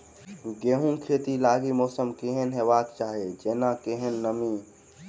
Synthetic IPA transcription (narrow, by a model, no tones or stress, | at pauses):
ɡeɦũkʰet̪ilaːɡimɔːsəmkeɦenɦebaːkt͡ʃaːɦed͡ʒeːnakeɦənːəmi